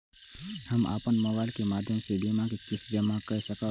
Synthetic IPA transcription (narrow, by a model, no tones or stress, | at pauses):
həma̰ːpənməbaːɪlkemaːd̪ʱjəmsebimakikɪsd͡ʒəmakəsəkə